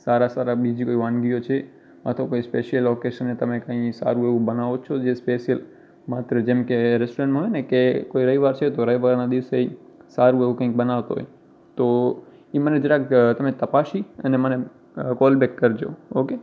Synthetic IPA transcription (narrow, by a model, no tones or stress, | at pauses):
saɾasaɾabid͡ʒikoiʋãnɡijot͡ʃʰe | ma̰t̪ʰokoispeʃijəlːokeʃənːet̪əmekə̃ĩsa̰ɾũeʋũbənaʋot͡ʃʰod͡ʒespeʃijəl | mat̪ɾəd͡ʒemkeɾɛsʈoɾẽɳʈmãɦɔjnekekoiɾəiʋaɾt͡ʃʰet̪oɾəiʋaɾnad̪iʋseisaɾũeʋũkə̃ĩk̚bənaʋt̪o̰ɦɔ̰j | t̪o | iməned͡ʒəɾakt̪əmet̪əpaʃiə̰neməne | kɔlbɛkːəɾd͡ʒo̰oke